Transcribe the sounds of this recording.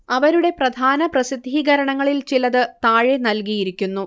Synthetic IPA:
ɐʋɐɾuɽe̞prɐd̪ʱaːnɐprɐsid̪ʱːiɡɐɾɐɳɐŋːɐɭilt͡ɕilɐðɨt̪aːɻenɐlkijiɾikʲːunːu

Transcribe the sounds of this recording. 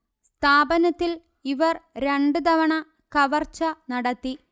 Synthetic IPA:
st̪ʰaːbɐnɐt̪ːil | iʋɐrɾeɳɖɨd̪ɐʋɐɳɐ | kɐʋɐrt͡ɕːɐnɐɽɐt̪ːi

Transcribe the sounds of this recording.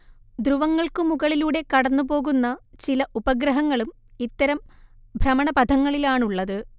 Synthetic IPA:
d̪ruʋɐŋːɐɭkɨmuɣɐɭiluːɽe̞kɐɽɐnːupo̞ːɣunːɐt͡ɕilɐʔubɐɡɾɐɦɐŋːɐɭum | it̪ːɐɾɐm | bʱrɐmɐɳɐpɐd̪ʱɐŋːɐɭilaːɳuɭːɐðɨ

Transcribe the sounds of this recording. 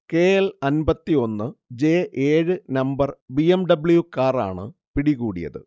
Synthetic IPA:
ke̞ːelɐnbɐt̪ːio̞nːɨd͡ʑe̞ːʔeːɻɨnɐmbɐrbiemɖɐbɭjukaːra̰ːɳɨ̰ | piɽiɣuːɽḭjɐ̰ðɨ̰

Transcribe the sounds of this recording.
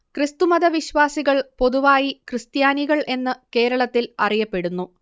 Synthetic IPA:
krɨst̪umɐðɐʋiɕʋaːsiɣɐɭpo̞ðuʋaːjikrɨst̪jaːniɣɐɭʔe̞nːɨke̞ːɾɐɭɐt̪ːilɐrijɐpːe̞ɽunːu

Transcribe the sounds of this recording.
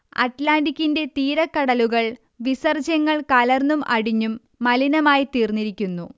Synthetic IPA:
ɐ̰ʈlaːnɖikʲːinde̞t̪iːɾɐkːɐɽɐluɣɐɭ | ʋisɐrd͡ʑɐŋːɐɭkɐlɐrnumʔɐ̰ɽiɲːumː | ɐlinɐmaːjit̪iːrnːiɾikʲːunːu

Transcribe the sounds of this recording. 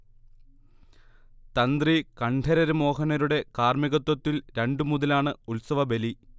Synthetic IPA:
t̪ɐnd̪rikɐɳʈʰɐɾɐɾɨmo̞ːɦɐnɐɾuɽe̞kaːrmiɣɐt̪ːwɐt̪ːilɾe̞ɳɖɨmuðɐlaːɳɨulsɐʋɐbe̞li

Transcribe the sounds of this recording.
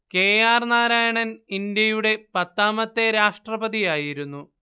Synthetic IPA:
ke̞ːjaːrnaːɾaːjɐɳɐnind̪jɐjuɽe̞pɐt̪ːaːmɐt̪ːe̞ɾaːʂʈrɐbɐðijaːjiɾunːu

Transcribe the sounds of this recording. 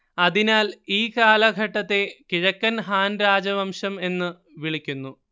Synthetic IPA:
ɐðinaːliːkaːlɐɡʱɐʈːɐt̪ːe̞kiɻɐkːɐnɦaːnɾaːd͡ʑɐʋɐmʂɐme̞nːɨ | ʋiɭikʲːunːu

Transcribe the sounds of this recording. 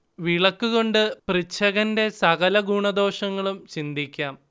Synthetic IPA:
ʋiɭɐkːuɣo̞ɳɖɨprit͡ɕʰːɐɣɐnde̞sɐɣɐlɐɡuːɳɐd̪o̞ːʂɐŋːɐɭumt͡ɕind̪ʱikʲːaːm

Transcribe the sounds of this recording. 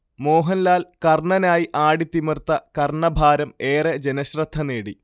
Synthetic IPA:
mo̞ːɦɐnlaːlkɐrɳɐnaːjiʔaːɽit̪imɐrt̪ːɐkɐrɳɐbʱaːɾɐme̞ːred͡ʑenɐɕrɐd̪ʰʱːɐneːɽi

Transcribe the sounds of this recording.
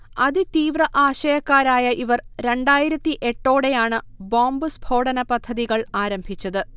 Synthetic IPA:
ɐðɨt̪iːʋrɐʔaːɕɐjɐkːaːɾaːjɐʔiʋɐrɾe̞ɳɖaːjiɾɐt̪ːiʔe̞ʈːo̞ːɽe̞jaːɳɨboːmbɨsbʱoːɽɐnɐpɐd̪ʱːɐðiɣɐɭaːɾɐmbʱit͡ɕːɐðɨ

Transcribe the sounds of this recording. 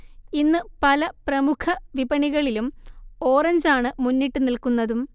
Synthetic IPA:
inːɨpɐlɐprɐmukʰɐʋibɐɳiɣɐɭilumo̞ːrɐɲd͡ʑaːɳɨmunːiʈːɨnilkunːɐðum

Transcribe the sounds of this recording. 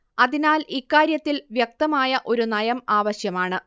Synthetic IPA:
ɐðinaːlikːaːɾjɐt̪ːilʋjek̚t̪ɐmaːjɐʔo̞ɾunɐjɐmaːʋɐɕjɐmaːɳɨ

